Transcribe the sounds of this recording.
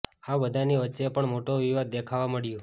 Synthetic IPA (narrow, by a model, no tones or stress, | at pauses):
abəd̪ʱaniʋətːʃepəɳmoʈoʋiʋad̪̚ːekʰaʋaməɭjo